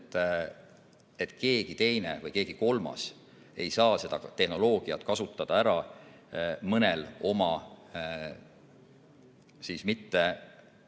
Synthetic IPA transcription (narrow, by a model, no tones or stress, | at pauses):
t̪ːˑ | e̞t̪ːˑke̞ːɡ̥it̪e̞jne̞̰vɤjke̞ːɡ̥iko̞lmɑ̰s | e̞jsɑːse̞d̪̥ɑt̪e̞hno̞lo̞ːɡ̥iɑt̪ˑkɑsut̪ːˑɑd̪̥ɑæɾɑ | mɤnelo̞mɑ | sismit̪ːe̞